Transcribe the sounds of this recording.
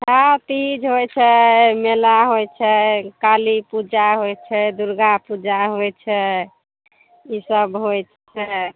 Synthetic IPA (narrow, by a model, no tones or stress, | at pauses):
sat̪id͡ʒɦojt͡ʃʰɛmelaɦojt͡ʃʰɛkalipud͡ʒaɦojt͡ʃʰɛd̪uɾɡapud͡ʒaɦojt͡ʃʰɛ | isəbɦojt͡ʃʰ | ɛ